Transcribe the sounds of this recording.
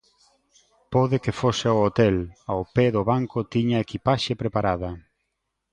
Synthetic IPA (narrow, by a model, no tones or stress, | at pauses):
poðɪkefosɪoot̪ɛlawpeðʊβaŋkʊt̪iɲɐekipaʃepɾepaɾaðɐ